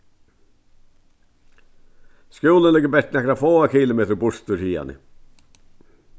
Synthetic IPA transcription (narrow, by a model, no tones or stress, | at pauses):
skjuːlənlɪɡəbɛʈnɛkɾafoːakʰiːlʊmeːt̪ɾbʊʂt̪uɾhiːa̰nɪ̰